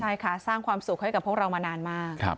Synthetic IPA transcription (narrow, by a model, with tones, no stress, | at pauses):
t͡ɕʰa˥˩jkʰa˥˩saː˥˩ŋkʰwaː˧msu˨˩k̚ha˥˩jka˨˩pʰːu˥˩k̚ɾa˧wmaː˧naː˧nmaː˥˩k̚ʰa̰˦˥p̚